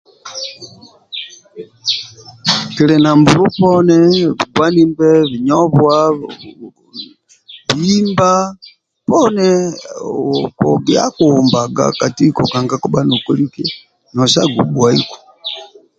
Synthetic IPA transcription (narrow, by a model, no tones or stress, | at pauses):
kilɛnambuluponɛβiɡwanimbɛβiɲoβwa | βiimba | pone | poɡiakuːmbaɡa̰katikokaŋɡakuɓanukuliki | noʃaɡubwaiko̥